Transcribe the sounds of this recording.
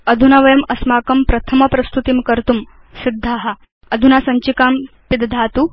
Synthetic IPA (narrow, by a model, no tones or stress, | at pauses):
ɐd̪ʱunaʋɐjɐmɐsmaːkɐmpɾɐt̪ʰɐmɐpɾɐst̪ut̪imkɐɾt̪um | sid̪ʱːaːɦɐ | ɐd̪ʱunasɐɲt͡ʃikaːm | pid̪d̪ʱaːt̪u